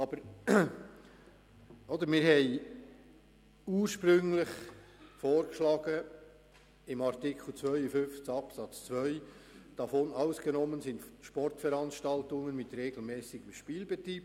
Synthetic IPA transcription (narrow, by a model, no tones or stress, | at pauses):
ɑb̥əɾ | ɔd̪əɾmɪːɾɦɛɪ | uːɾʃpɾʏŋlɪχfoːrkʃlɑːɡ̥ə | ɪmɑrtɪkχl̩t͡sʋœʏəfʏnft͡sɑpsɑt͡st͡sʋœʏd̥ɑfonɑʊsɡ̥ənɔmːənsɪntʃpɔrtfɛɾɑnʃtɑltʊŋənmɪt̪ɾeɡl̩mɛːsɪɡ̥əmʃpiːlbɛt̪ɾiːb̚